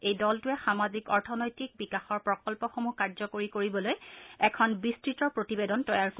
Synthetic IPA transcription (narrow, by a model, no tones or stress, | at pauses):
ejdɔltʊɛxamazikɔɹtʰɔnɔjtik̚bikaxɔɹpɹɔkɔlpɔxomukaɹzɔkoɹikoɹibɔlojɛkʰɔnbistɹitɔɹpɹotibedɔntɔjaɹk